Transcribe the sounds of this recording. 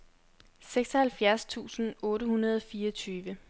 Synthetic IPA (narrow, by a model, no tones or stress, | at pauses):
seɡ̥sɒhælfjæɐst͡sʰṵːsn̩ɔːɾəhunɐð̞ˠɒ̽fiːɐt͡sʰyːʋə